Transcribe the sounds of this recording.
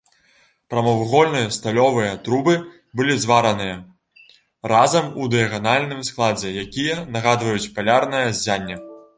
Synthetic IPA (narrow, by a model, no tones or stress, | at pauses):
pɾɐmɐwɣɔlʲnɨjɐst̪alʲɔvɨjɐt̪ɾubɨ | bɨlʲizvaɾɐnɨjɐ | razɐmud̪ɨjɐɣanalʲnɨmsklˠad͡zʲɛjakʲijɐnɐɣad̪vɐjut͡sʲpalʲarnɨjɐzʲːanʲːɐ